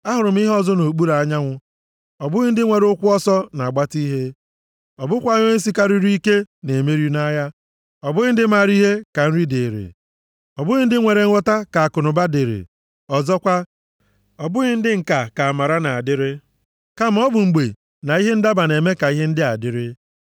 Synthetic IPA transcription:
a˦ɦʊ˨ɾʊ˨m̩˦i˦ɦɔ˦zɔ˦no˨k͡pu˦ɾa˨ɲa˦ŋʷʊ˦ | ɔ˨bʊ˦ɣɪ˦n̩˦dɪ˦ŋʷe˨ɾʊ˦kʷʊ˦ɔ˦sɔ˦na˨ɡ͡ba˦ti˦ɦe˦ | ɔ˨bʊ˦kʷa˦ɲɔ˦e˦s̬i˦ka˦ɾi˦ɾi˦ke˦ne˨me˦ɾju˦na˦ja˦ | ɔ˨bʊ˦ɣɪ˦n̩˦dɪ˦m̩a˨ɾi˦ɦe˦ka˨n̩˦ɾi˦de˨ɾḛ˨ | ɔ˨bʊ˦ɣɪ˦n̩˦dɪ˦ŋʷe˨ɾe˨˦ɔ˦ta˦ka˨a˨kʊ˨nʊ˨ba˦de˨ɾḛ˨ | ɔ˨zɔ˦kʷa˦ | ɔ˨bʊ˦ɣɪ˦n̩˦dɪ˦ŋ̩˨ka˨ka˨a˨ma˨ɾa˦na˨a˨dɪ˦ɾɪ˦ | ka˦m̩˨˦ɔ˦bʊ˨ŋ͡m̩˨ɡ͡be˨ | na˨i˦ɦe˦n̩˦da˦ba˨ne˨me˦ka˨i˦ɦe˦n̩˦dɪ˦a̰˨dɪ˦ɾɪ˦

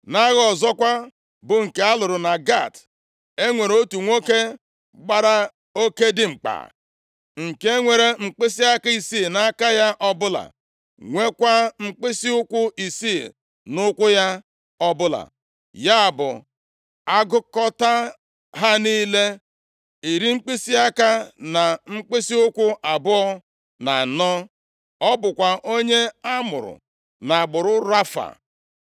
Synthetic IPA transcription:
na˦ɣɔ˨zɔ˦kʷa˦ | bʊ˨ŋ̩˨ke˨a˦lʊ˨ɾʊ˨na˨ɡa̰˦˨t | e˦ŋʷe˨ɾo˦tu˨ŋʷo˦ke˦ | ɡ͡ba˦ɾa˦ | o˦ke˦dɪ˨ŋ͡m̩˨k͡pa̰˨ | ŋ̩˨ke˦ŋʷe˨ɾe˨ŋ͡m̩˨k͡pe˦s̬i˦a˦ka˦i˨si˦˨na˦ka˦ja˦ʔɔ˦bʊ˦la̰˨ | ŋʷe˦kʷa˦ŋ͡m̩˨k͡pe˦si˦ʊ˦kʷʊ˦ʔi˨si˦˨ | nʊ˦kʷʊ˦ja˦ | ɔ˦bʊ˦la̰˨ | ja˦˨bʊ̰˨ | a˦ɡʊ˦kɔ˦ta˦ | ɦa˦niː˦le˦ | i˨ɾi˦ŋ͡m̩˦k͡pi˦si˦a˦ka˦na˨ŋ͡m̩˦k͡pe˦si˦ʊ˦kʷʊ˦ʔa˨bʊ˦ɔ˦ | na˨nɔ˦ | ɔ˦bʊ˨kʷa˨ʔo˦ɲe˦a˦mʊ̰˨ɾʊ̰˨ | na˨ɡ͡bʊ˨ɾʊ˦ɾa˦fa̰˨

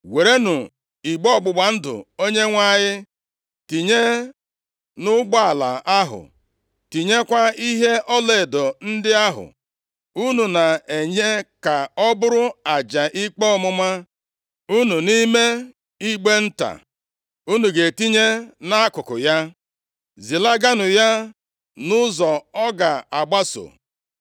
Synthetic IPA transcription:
we˨ɾe˦nʊ˨ | i˨ɡ͡bɔ˦ɔ˦˨ɡ͡bʊ˨ɡ͡ba˨n̩˦dʊ̰˨o˦ɲe˦ŋʷa˦˨ɲɪ˦ | ti˨ɲe˦ | nʊ˦ɡ͡bɔ˦a˨la̰˨a˦ɦʊ̰˨ | ti˨ɲe˦kʷa˦i˦ɦe˦ʔɔ˦le˨dɔ˨n̩˦dɪ˦a˦ɦʊ̰˨ | u˦nu˨na˨e˨ɲe˦ka˨ɔ˦bʊ˦ɾʊ˦a˨d͡ʒa˨ʔi˦k͡po˦ɔ˦mʊ˦ma˦ | u˦nu˨ni˦me˦ | i˦ɡ͡be˦n̩˦ta̰˨ | u˦nu˨ɡe˨ti˦ɲe˦na˦a˦kʊ˨kʊ̰˨ja˦ | zi˨la˦ɡa˦nʊ˨ja˦ | nʊ˦zɔ˨ɔ˦ɡa˨a˨ɡ͡ba˦so̰˨

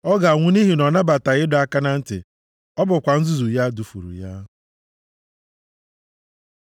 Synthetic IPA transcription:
ɔ˦ɡa˨ŋʷʊ˦ni˦ɦi˨nɔ˨na˦ba˨ta˨ɣɪ˦dʊ˨a˦ka˦na˦n̩˦tɪ̰˨ | ɔ˦bʊ˨kʷa˨n̩˦zu˦zu˨ja˦du˨fṵ˨ɾṵ˨ja˦

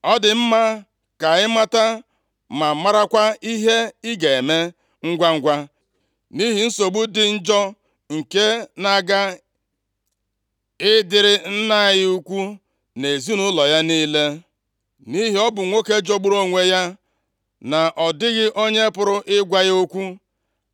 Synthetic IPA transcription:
ɔ˦dɪ˨m̩˦ma˦ | ka˨ɣɪ˦ma˦ta˦ | ma˨ma˦ɾa˦kʷa˦i˦ɦe˦ɪ˦ɡe˨e˨me˦ | ŋ̩˦ɡʷa˦ŋ̩˦ɡʷa˦ | ni˦ɦi˨n̩˦so˨ɡ͡bu˦dɪ˦n̩˦d͡ʒɔ˦ | ŋ̩˨ke˦na˨ɡa˦ | ɪ˦dɪ˨ɾɪ˦n̩˦na˦˨ɣɪ˦u˦kʷu˦ | ne˨zi˦nʊ˦lɔ˨ja˦niː˦le˦ | ni˦ɦi˨˦ɔ˦bʊ˨ŋʷo˦ke˦d͡ʒo˦ɡ͡bu˦ɾo˦ŋʷe˦ja˦ | na˨ʔɔ˨dɪ˦ɣɪ˦ʔo˦ɲe˦pʊ˦ɾʊ˦ʔɪ˦ɡʷa˦ɣo˦kʷu˦

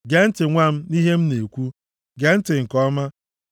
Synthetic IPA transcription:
ɡe˨n̩˦tɪ˨ŋʷa˦m̩˦ni˦ɦe˦m̩˦ne˨kʷu˦ | ɡe˨n̩˦tɪ˨ŋ̩˨kɔ˦ma˦

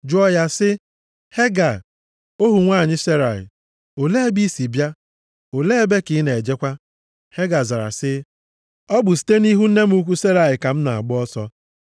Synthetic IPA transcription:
d͡ʒʊ˦ɔ˦ja˦sɪ˦ | he˦ɡa˨ | o˦ɦu˨ŋʷaː˦˨ɲɪ˦se˦ɾa˨ɪ̰˨ | o˨le˦e˦bi˦si˨bja˦ | o˨le˦e˦be˦ki˨i˦ne˨e˨d͡ʒe˦kʷa˦ | he˦ɡa˨za˨ɾa̰˨sɪ˦ | ɔ˦bʊ˨s̬i̥˨te˦ni˦ɦu˦n̩˦ne˦m̩˦u˦kʷu˦se˦ɾa˨ɪ˨ka˨m̩˦na˨a̰˨ɡ͡bʊ˦ɔ˦sɔ˦

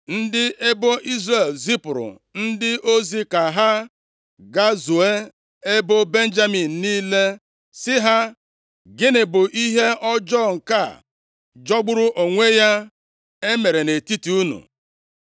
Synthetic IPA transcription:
n̩˦dɪ˦e˦bo˦i˦zre˦˨lzi˦pʊ˨ɾʊ̰˨ | n̩˦dɪ˦ʔo˦zi˦ka˨ɦa˦ | ɡa˦zu˨e˦ | e˦bo˦be˦n̩˦d͡ʒa˦mi˨n̩˨niː˦le˦ | sɪ˦ɦa˦ | ɡɪ˦nɪ˨bʊ˨ʔi˦ɦe˦ʔɔ˦d͡ʒɔ˦˨ŋ̩˨ka˦˨ | d͡ʒɔ˦ɡ͡bʊ˦ɾʊ˦ʔo˨ŋʷe˦ja˦ | e˦me˨ɾe˨ne˨ti˦ti˨u˦nṵ˨

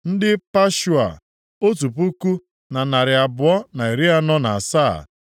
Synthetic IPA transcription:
n̩˦dɪ˦pa˦ʃu˨a̰˨ | o˦tu˨pu˦ku˦ | na˨na˨ɾɪ˨a˨bʊ˨ɔ˦na˨e˨ɾi˦a˦nɔ˦na˨a˨sa̰ː˦˨

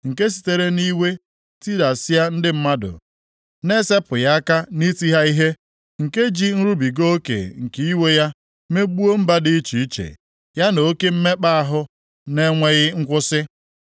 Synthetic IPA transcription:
ŋ̩˨ke˦s̬i̥˨te˨ɾe˦ni˦we˦ | ti˦da˨sɪ˦ja˦n̩˦dɪ˦m̩˦ma˦dʊ̰˨ | ne˦se˦pʊ˨ja˦ka˦ni˦ti˦ɦa˦i˦ɦe˦ | ŋ̩˨ke˦d͡ʒi˦n̩˦ɾu˦bi˨ɡo˦o˦kḛ˨ŋ̩˨ki˦we˦ja˦ | me˦ɡ͡bu˦o˦m̩˦ba˦dɪ˦t͡ʃi˨i˦t͡ʃḛ˨ | ja˦no˨o˦ke˦m̩˦me˦k͡pa˦a˦ɦʊ˦ | ne˦ŋʷe˦ɣɪ˦ŋ̩˦kʷʊ˦sɪ˦

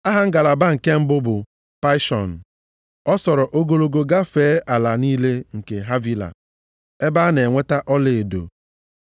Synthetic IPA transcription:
a˦ɦa˨˦ŋ̩˦ɡa˨la˨ba˦ŋ̩˨ke˦m̩˦bʊ˦bʊ˨ | pa˦ɪ˦ʃɔ̰˨n̩˨ | ɔ˦sɔ˨ɾɔ˨ʔo˦ɡo˦lo˦ɡo˨ɡa˦feː˨˦ʔa˨la˨niː˦le˦ŋ̩˨ke˨ɦa˦vi˦la̰˨ | e˦ba˦ne˨ŋʷe˦ta˦ʔɔ˦le˨e˨do̰˨

